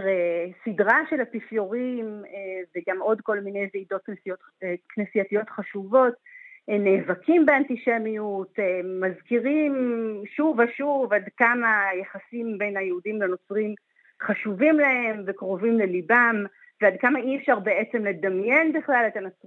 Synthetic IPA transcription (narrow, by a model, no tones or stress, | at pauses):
ʁejsidʁaʃe̞lapifjo̞ʁimeveɡamo̞dko̞lmine̞jzeido̞t̪̚knesijot | knesijat̪ijo̞t̪χaʃuvo̞tneːvakʰimbeantiʃe̞mijutːazkiʁimʃuvaʃuvadkamajaχasimbe̞jnajeudimleno̞t͡sʁim | χaʃuvimlahe̞mvekʁo̞vimlelibam | veadkamaʔiefʃaʁbeet͡se̞mle̞damjenbiχlalet̪anot͡sʁ